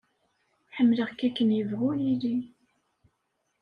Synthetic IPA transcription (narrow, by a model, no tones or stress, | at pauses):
ħəmːləʁkːækːənjəvʁʊjili